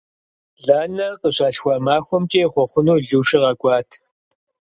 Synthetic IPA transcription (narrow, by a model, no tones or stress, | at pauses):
ɮaːnɐqʼəɕaːɬxʷaːmaːxʷɔmt͡ʃʼeːχʷɔχʷʊnoːɮuːʃɪʁɐkʷʼɑːtʰ